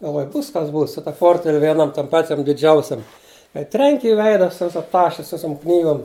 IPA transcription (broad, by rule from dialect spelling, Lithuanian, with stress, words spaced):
ɡɐlˠˈʋoːj ˈbuːs kɐs ˈbuːs sʊ tɐ ˈpoːrʲtʲʋʲɛlʲ ˈʋʲiɛˈnɐm ˈpɑːt͡ʃʲɛm dʲɪˈd͡ʒʲɛʊsʲɛm kɐɪ ˈtʲrʲɛŋʲkʲɪ ɪ ˈʋʲɛɪdɐ ˈsʊ ˈʋʲɪsɐ ˈtɑːʃʲɛ ˈsʊ ˈʋʲɪsʊm ˈknʲiːɡoːm